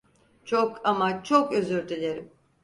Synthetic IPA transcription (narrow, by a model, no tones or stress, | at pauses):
t͡ʃʰokʰamat͡ʃʰokøzyɾt̪ʰelʲeɾim